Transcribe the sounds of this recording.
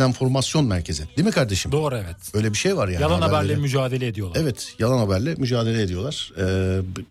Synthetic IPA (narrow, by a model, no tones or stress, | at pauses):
ænfo̞ɾmasjo̞nmæɾcʰe̞zɪd̪̥imikʰaɾd̪e̞ʃimd̪oːɾuɛvɛt̪bø̞jlʲebiʃejvaɾjajalˠanabæɾlʲɛmyd͡ʒaːd̪elʲɛːd̪ijo̞lˠevɛt̪ʰjalˠanhabæɾlʲɛmyd͡ʒaːd̪e̞lʲɛed̪ijo̞lˠaɾ̥ɛː